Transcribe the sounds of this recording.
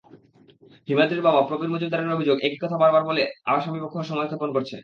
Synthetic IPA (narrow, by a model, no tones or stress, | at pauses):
ɦimat̪ɾeɾbabapɾobiɾmod͡ʑud̪aɾoneɾobʱid͡ʑoɡeki̥kɔt̪ʰabaɾbaɾbolea̰ʃamipokʰːoɾʃɔŋad̪ʱaponkoɾt͡ɕʰḛ